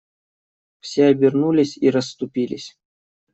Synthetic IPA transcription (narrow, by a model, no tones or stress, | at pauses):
fsʲeɐbʲɪrnulʲɪsʲiɾəsːt̪ʊpʲilʲɪ̰sʲ